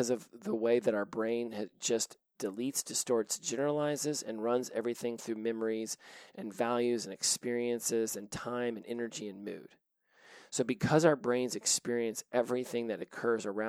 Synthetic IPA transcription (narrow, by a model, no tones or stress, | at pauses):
ʌzʌvðəweɪðɨɾaʊə˞bɹẽɪ̃nɨd͡ʒʌs | d̥ɨlitsd̥ɨstɔɹtsd̥ʒ̥ɛnə˞əlaɪzɪzɨ̃nɹʌ̃nzɛvɹiθɪ̃ŋθɹʉmɛmə˞izʔɨ̃nvælˠjʉzɨ̃nɨkspɪɹiɨ̃nsɪzɨ̃ntʰãɪ̃mɨ̃nɛnə˞d͡ʒiɨ̃nmʉ̰d̥ | soʊbɨkʰʌzaʊə˞bɹẽɪ̃nzɨkspɪɹiɨ̃nsʔɛvɹiθɪ̃ŋðɨɾɨkʰɜ˞zə˞ã